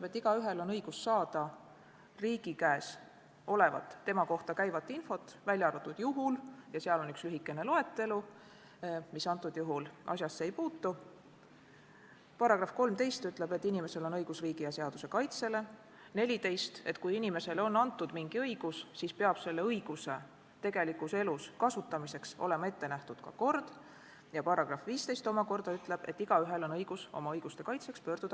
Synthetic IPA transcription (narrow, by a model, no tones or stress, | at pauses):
t̪ebet̪ːiɡ̥ɑyɦe̞lo̞nɤjɡ̥usːɑːd̪̥ɑ | riːɡ̥ikæːs | o̞levɑ̰t̪ˑːe̞mɑko̞ht̪ɑkæjvɑt̪ːˑinfo̞t̪ˑvælʲjɑɑɾut̪ːˑud̪̥juɦuljɑseɑlo̞nykslyɦikːˑe̞ne̞loe̞t̪ːe̞lu | misɑnt̪ːˑud̪̥juɦulʔɑ̰s̬ʲjɑsːeejpuːt̪ːu | pɑɾɑɡ̥rɑfko̞lmt̪e̞jst̪yt̪ːˑle̞be̞t̪ːinime̞se̞lo̞nɤjɡ̥usriːɡ̥ijɑseɑd̪̥use̞kɑjt̪se̞le̞ | ne̞lʲit̪e̞jst̪e̞t̪ˑkujinʲime̞se̞lo̞nːɑnt̪ːˑud̪̥miŋɡ̥iɤjɡ̥ussiːspe̞ɑb̥se̞lːe̞ɤjɡ̥use̞ | t̪e̞ɡ̥e̞likˑuse̞luskɑsut̪ːˑɑmise̞ksole̞mɑe̞t̪ːe̞næht̪ud̪̥kɑ̰ko̞rd̪̥ | jɑpɑɾɑɡ̥rɑfviːst̪e̞jst̪o̞mɑko̞rd̪̥ɑyt̪ˑle̞b̥e̞̰t̪ːiɡ̥ɑyɦe̞lo̞nɤjɡ̥uso̞̰mɑɤjɡ̥ust̪e̞kɑjt̪se̞kspø̞ːrd̪̥ud̪̥ɑ